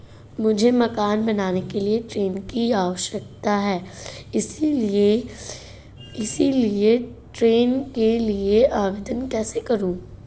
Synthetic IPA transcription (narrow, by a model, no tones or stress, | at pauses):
mʊd͡ʒʱemɐkaːnbɐnaːnekelieʈɾeːnkiaːʋəʃək̚t̪aɦɛːɪsile | ɪsilieʈɾeːnkelieʔaːʋed̪ənkɛːsekɐɾũː